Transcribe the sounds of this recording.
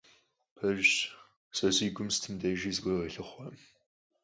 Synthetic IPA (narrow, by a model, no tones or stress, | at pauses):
pʰɐʒ | sɐziːɡʷʊmstʰɨmdɐʒiːzɡʷɐrɐɬɨχʷɐm